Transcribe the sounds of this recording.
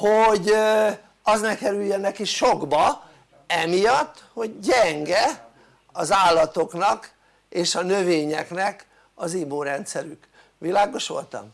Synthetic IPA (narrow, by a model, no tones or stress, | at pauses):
hoɟ | ɒznɛkɛɾyjjønːɛkiʃoɡbɒ | ɛmijɒt̪ːho̞ɟɟɛŋɡɛ | ɒzaːlːɒt̪o̞knɒk | eːʃɒnøveːɲɛknɛk | ɒzimoːɾɛnt̪sɛɾyk | ʋilaːɡo̞ʃʋo̞̰lt̪ɒ̰m